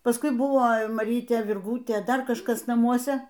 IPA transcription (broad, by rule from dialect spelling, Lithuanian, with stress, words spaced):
pɐsˈkʊɪ ˈbʊʋoː mɐˈrʲiːtʲeː ʋʲɪrˈɡuːtʲeː ˈdɐr kɐʃˈkɐs nɐˈmuɔsʲɛ